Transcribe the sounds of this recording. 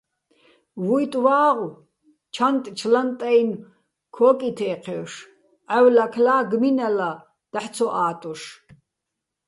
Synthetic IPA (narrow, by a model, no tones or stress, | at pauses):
wujt̪ʼwaːʁ | t͡ʃʰant̪ʼt͡ʃʰlant̪ʼajn | kʰɔːkʼit̪ʰɛːqʰɛːʂ | ʔawlakʰlaːɡminala | d̪̥aħt͡sʰɔʔaːt̪ʼuʂ